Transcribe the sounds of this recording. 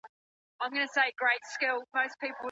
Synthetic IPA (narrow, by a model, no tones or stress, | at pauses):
ãɪ̃mɡʌnəseɪɡ̥ɹeɪtskɪlˠməʊspʰiˑpəlˠ